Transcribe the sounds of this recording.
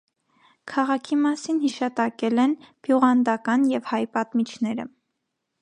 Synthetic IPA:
kʰɑʁɑkʰimɑsinhiʃɑt̪ɑkɛlɛnb̥juʁɑnd̪ɑkɑnjɛvhɑjpɑt̪mit͡ʃʰnɛɾə̰

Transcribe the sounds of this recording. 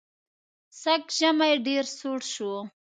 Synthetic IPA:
sakʒamajɖeɾsuɽʃu

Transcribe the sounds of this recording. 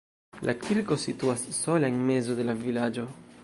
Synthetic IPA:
lʔakʰiɾko̞situasːo̞laenme̞zo̞de̞lavilad͡ʒo̞

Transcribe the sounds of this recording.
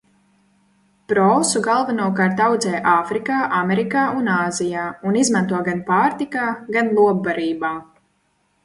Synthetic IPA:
pɾɔːsuɡalˠvanuɔkaɾt̪awd̪zɛːjʔaːfɾikaːʔamɛɾikaːʔunaːzijaːunizmant̪uɔɡanpaːɾt̪ikaːɡanlˠuɔbːaɾiːbaː

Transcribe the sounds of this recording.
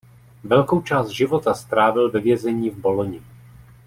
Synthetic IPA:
vɛlko̞wt͡ʃaːst̪̚ʒɪvo̞t̪ast̪ɾaːvɪlvɛvjɛzɛɲiːvbo̞loɲɪ

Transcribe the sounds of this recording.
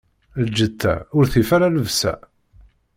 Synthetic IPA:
ld͡ʒət̪ʰːæ̰ʊɾθifaɾaləvsæ̰

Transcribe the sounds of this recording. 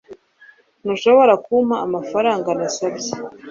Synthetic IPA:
nuʃo̞βo̞ɾakumaːmafaɾaːŋɡanasabje

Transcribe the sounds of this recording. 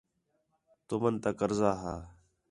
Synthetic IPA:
t̪omənt̪aːkəɾzaːɦaː

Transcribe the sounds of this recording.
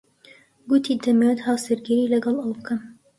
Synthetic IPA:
ɡut̪ʰid̪ɐmewt̪haːwsɨɾɡiɾiːlɐɡɐlɐwbkʰəm

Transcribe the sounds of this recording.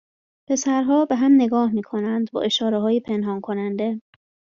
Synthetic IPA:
pʰe̞sæɾɦɒːbe̞ɦæmne̞ɡɒːhmiːkʰo̞nænd̪bɒ̰ːʔe̞ʃɒːɾeɦɒːjepʰe̞nɦɒːnkʰo̞nænd̪e̞

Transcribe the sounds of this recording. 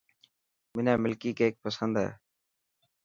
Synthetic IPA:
mɪnaːmɪlkiːkeeːk̚pəsənd̪ɦḛː

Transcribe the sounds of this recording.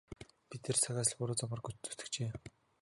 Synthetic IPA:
pit̪eːrt͡sʰaɣʲaːs̆ɮpʊɾʊːt͡sɔmə̆rɡut͡ɕt̪u̥t̪ɘ̆kt͡ɕeː

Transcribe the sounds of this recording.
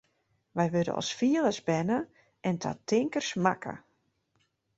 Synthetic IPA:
ʋɛjʋødə̰nɔ̰sfiələsbɛnə | ʔɛntʰa̰tʰɪŋkərsmakʰə̰

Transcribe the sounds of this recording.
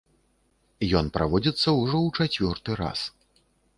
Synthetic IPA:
jɔnpɾavɔd͡zʲit̪sːɐwʐɔwt͡ʂat͡sʲvʲɔrt̪ɨɾa̰s

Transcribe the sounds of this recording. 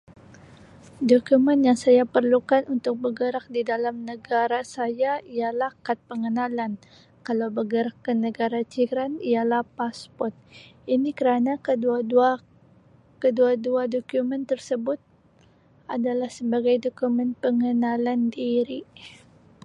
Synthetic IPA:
dokumɛnjaŋsajapərlukanunt̪ʊk̚bəɡəɾak̚didalamnəɡaɾasajaijalahkat̪̚pəŋənalan | kalawbəɡəɾakːənəɡaɾat͡ʃiɾanialahpaspɔrt̪̚inikəɾanakəa | kəduaduadokjumɛnt̪ərsəbʊt̪̚ | ʔadalahsəbaɡajdokumɛnpəŋənalandiɾi

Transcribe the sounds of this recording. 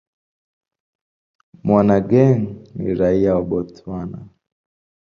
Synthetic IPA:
mwanaɡɛŋnḭɾaiaɔɓɔtwana

